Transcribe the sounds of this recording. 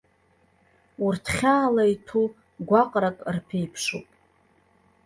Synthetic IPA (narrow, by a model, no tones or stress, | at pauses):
urtʰχʲaːlajtʰu | ɡʷaqʼɾakʼrpʰejpʰʂupʼ